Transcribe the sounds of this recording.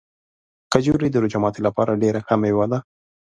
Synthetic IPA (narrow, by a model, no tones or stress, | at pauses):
kad͡ʒuɾid̪əɾʊd͡ʒamɑt̪elapɑɾaɖeɾakamewad̪a